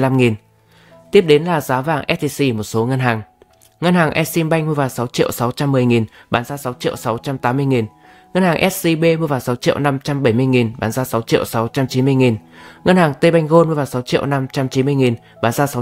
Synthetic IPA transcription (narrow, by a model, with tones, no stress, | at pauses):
la˧mŋi˨˩n | t̪i˦˥əp̚ɗe˨˦nlaː˨˩zaː˨˦vaː˨˩ŋʔɛ˦˥t̚t̪i˧si˧mo˨˩t̚so˨˦ŋə˧nɦaː˨˩ŋ | ŋə˧nhaː˨˩ŋʔɛ˦˥t̚si˧mɓa˧jŋmu˧əvaː˨˩wsa˨˦wt͡ɕḭ˧˨əwsa˨˦wt͡ɕa˧mːɨ˨˩əjŋi˨˩nɓaː˨˦nzaː˧sa˨˦wt͡ɕḭ˧˨əwsa˨˦wt͡ɕa˧mt̪aː˨˦mːɨ˧əjŋi˨˩n | ŋə˧nhaː˨˩ŋʔɛ˦˥t̚si˧ɓe˧m˧˩əvaː˨˩wsa˨˦wt͡ɕḭ˧˨əwna˧mt͡ɕa˧mɓə˧˩jmɨ˧əjŋi˨˩nɓaː˨˦nzaː˧sa˨˦wt͡ɕḭ˧˨əwsa˨˦wt͡ɕa˧mt͡ɕi˨˦nm˧əjŋi˨˩nŋə˧nhaː˨˩ŋt̪e˧ɓa˧jŋ̟ɣo˧nmu˧˩əvaː˨˩wsa˨˦wt͡ɕḭ˧˨əwna˧mt͡ɕa˧mt͡ɕi˨˦mɨ˧əjŋi˨˩n | ɓaː˨˦nzaː˧sa˨˦